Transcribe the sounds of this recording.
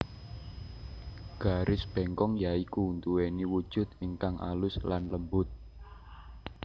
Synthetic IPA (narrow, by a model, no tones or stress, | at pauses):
ɡ̥a̤ɾʔɪsb̥ɛŋkɔŋjaikuunt̪uweniwud̥ʒ̥ʊ̤t̪̚ɪŋkaŋʔa̰lʊslanləmbʊt̪̚